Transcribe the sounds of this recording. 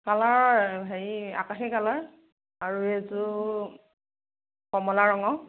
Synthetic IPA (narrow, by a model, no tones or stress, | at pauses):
kalaɹbʱaia̰kaxɛkalaɹ | aɹuetʊ | kɔmɔlaɹɔŋɔ